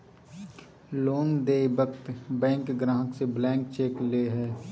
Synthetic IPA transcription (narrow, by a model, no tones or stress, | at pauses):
loːnd̪eːbəkt̪bɛ̃ːŋkɡɾãːɦəkseblɛ̃ːŋkt͡ʃeːkleɦɛː